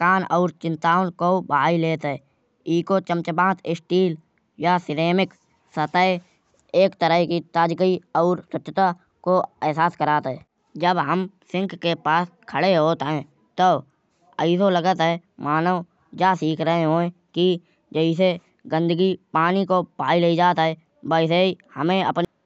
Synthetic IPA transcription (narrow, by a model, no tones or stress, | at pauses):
kaːnɔːɾt͡ʃɪ̃nt̪aːnkobəaːileːt̪ɦɛː | iːkot͡ʃə̃mt͡ʃbãːt̪ʰɪsʈiːl | jasɪɾeːmɪk | sət̪əe | eːkt̪əɾəɦkit̪aːd͡ʒkəiɔːɾswətːʃt̪a | koɛːsaːskəɾaːt̪ɦɛː | d͡ʒəbɦəmsɪ̃ŋkːepaːskʰəɽeɦoːt̪ɦɛ̃ː | t̪o | əɪsoləɡət̪ɦɛ | maːnəʋ | d͡ʒasiːkʰɾəɦeɦõːẽ | ki | d͡ʒəɪs̬e | ɡə̃nd̪əɡipaːnikopaːileid͡ʒaːt̪ɦɛː | bəɪs̬eihəmẽə̰pn